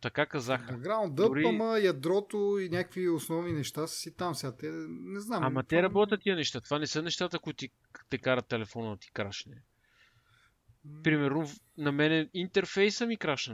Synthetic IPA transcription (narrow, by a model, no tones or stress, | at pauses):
t̪ɐkakɐzaxɡɾand̪əd̪ʊɾiməjɐd̪ɾɔt̪oinʲakə̥kviʊsnɔvninɛʃt̪assit̪amsɛat̪ɛnɛznamamɐt̪ɛɾɐbɔt̪ʲət̪t̪iənɛʃt̪at̪o̥vanɛsənɛʃt̪at̪əkʊit̪ʊt̪i | t̪ɛkaɾɐt̪ːɛlɛfɔnəd̪ɐt̪i̥kɾaʃnɛ | pɾimɛɾnʊ | nɐmɛnɛint̪ɛɾfɛjsəmikɾaʃnɛ